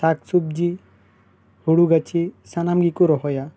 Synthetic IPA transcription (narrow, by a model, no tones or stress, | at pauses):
saksub̚d͡ʒi | huɽuɡat͡ʃʰisanamɡikuɾɔɦɔja